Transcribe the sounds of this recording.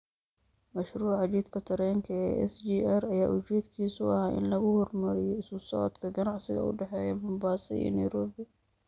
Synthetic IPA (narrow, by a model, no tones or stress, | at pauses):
mɐʃruːʕɑt͡ʃiːd̪kʰɐt̪ʰɐɾɛŋkʰɐɛ̰ːɛ̰sd͡ʒiːɛrɐjaːʔʊt͡ʃiːd̪kʰiːsʊɐhaːʔɪ̰nlɐɣʊhɔrmɐɾɪjɔɪsʊsɔ̰ːd̪kʰɐɡɐnɑʕsɪɣɐ̰ʊ̰ɖɛħɛːjɛbɐmbaːsɐ̰ḭːnɐjɾɔːbɪ